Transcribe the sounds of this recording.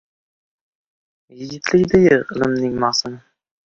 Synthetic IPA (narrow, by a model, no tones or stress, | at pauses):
jɪɡʲɪt̪ʰlɪkʲd̪ɪɡʲɪɪlˠɪmnɪŋmɑχsɪnɪ